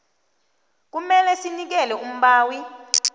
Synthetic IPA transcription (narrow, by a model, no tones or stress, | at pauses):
k̬umɛlɛsinik̬ɛlɛum̩ɓaːwi